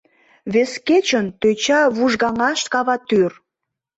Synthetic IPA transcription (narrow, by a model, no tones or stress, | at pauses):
βesket͡ɕənt̪øt͡ɕɑβuʒɣɑŋɑʃkɑβɑt̪yr